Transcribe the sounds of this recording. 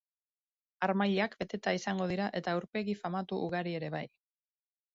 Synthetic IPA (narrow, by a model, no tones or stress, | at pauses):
aɾmaʎeakbe̞t̪e̞t̪aisaŋɡo̞ðiɾaʔe̞t̪aːwɾpe̞ɣifamat̪uʔuɣ̞aɾie̞ɾe̞βaj